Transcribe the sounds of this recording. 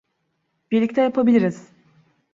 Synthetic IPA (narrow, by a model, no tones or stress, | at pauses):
biɾlʲic̚t̪ʰɛjapʰabilʲiɾiz̥